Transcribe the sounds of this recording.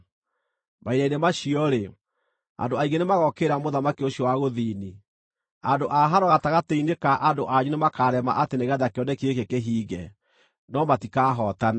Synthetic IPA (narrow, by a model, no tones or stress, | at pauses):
maiɾainemaɕiɔɾe | a̰ndoaiɡenemaɣɔkeɾamoðamakioɕiɔwaɣoðini | andoʔaɦaɾɔɣataɣateinekaʔandoʔaɲunemakaːɾɛma̰ʔateneɣaðakeɔndɛkiekekeɦiːɣɛ | nɔmatikaɦɔtana